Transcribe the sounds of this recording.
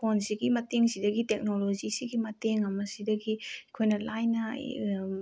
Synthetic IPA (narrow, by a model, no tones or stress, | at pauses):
pʰonsiɡimɐteŋsidɐɡitek̚nolozisiɡimɐteŋɐmɐsidɐɡikʰojnɐlajnɐ̰